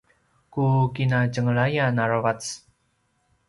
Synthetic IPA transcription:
kukinad͡ʒəŋɭajanaɾwat͡s

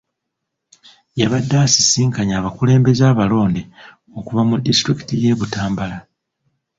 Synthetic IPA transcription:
jaβadːaːsi̥siːŋkaɲaːβakule̞ːmbe̞zaːβalo̞ːnde | o̞kuvamudːistɾiki̥tije̞ːβutaːmbala

